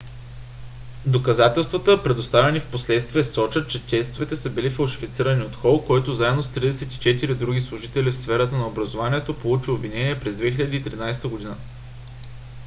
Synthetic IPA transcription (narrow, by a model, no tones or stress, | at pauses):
d̪okɐzat̪ɛlˠst̪vɐt̪əpɾɛd̪ost̪avɛnifposlɛt̪st̪viɛsɔt͡ʃət̪̚t͡ʃɛtʲɛst̪ovɛt̪ɛsəbilifɐlˠʃi̥fit̪siɾəniot̪xɔlˠkɔjt̪ozaɛd̪nost̪ɾid̪ɛsɛt̪i̥t͡ʃɛt̪iɾid̪ɾuɡʲislˠʊʒit̪ɛlifsfɛɾət̪ənɐobɾɐzovaniɛt̪opolˠut͡ʃiobvinɛniɛpɾɛzd̪vɛxilʲɛd̪iːt̪ɾinajst̪əɡod̪inə